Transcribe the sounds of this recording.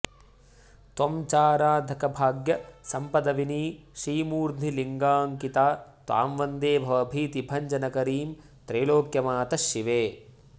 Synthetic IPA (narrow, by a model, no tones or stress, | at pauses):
t̪omt͡ʃaːɾaːd̪ʱɐkɐbʱaːɡjɐsɐmpɐd̪ɐʋiniːʃiːmuːɾd̪niliŋɡaːŋkit̪aːt̪ʋa̰ːmʋɐnd̪eːbʱɐʋɐbʱiːt̪ibʱɐɲd͡ʒɐnɐkɐɾiːm | t̪ɾeːloːkjɐmaːt̪ɐʃiʋeː